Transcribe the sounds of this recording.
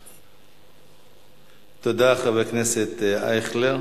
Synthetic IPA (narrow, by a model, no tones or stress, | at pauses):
t̪od̪aχavekneset̪a̰jχleʁ